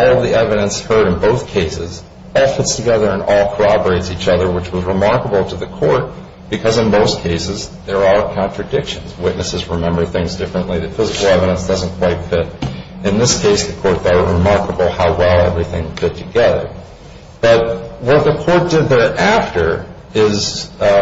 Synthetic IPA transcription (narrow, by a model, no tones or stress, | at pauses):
ɔlˠʌvðiɛvɨɾɨ̃nshɜ˞ɾɨ̃nboʊθkʰeɪsɪz | ɔlˠfɪtstʰɨɡɛðə˞ɨ̃nɔlˠkʰə˞ɑbə˞eɪtsit͡ʃʌðə˞wət͡ʃwʌzɹɨmɑɹkəbl̩ˠtʰɨðɨkʰɔɹt̚ | b̥ɨkʰʌzɨ̃nboʊskʰeɪsɨzðə˞aə˞kʰɑ̃nt͡ʃɹ̥ɨdɪkʃɨ̃nzwɪtⁿnʔɨsɨzɹɨmɛ̃mbə˞θɪ̃ŋzdɪfɹɨ̃nʔliðɨfɪzɨkl̩ˠɛvɨɾə̃nsd̥ʌzə̃n̩kʰw̥aɪtfɪɾɨ̃nðɪskʰeɪsðɨkʰɔɹt̚ðə˞ɹɨmɑɹkəbl̩ˠhaʊwɛlˠɛ̰vɹiθɪ̃ŋfɪtʰɨɡɛðə̰˞ | b̥ʌt̚wʌt̪̚ðɨkʰɔɹt̚d̥ɨd̪̚ðə˞ʔæftə˞ | ɪz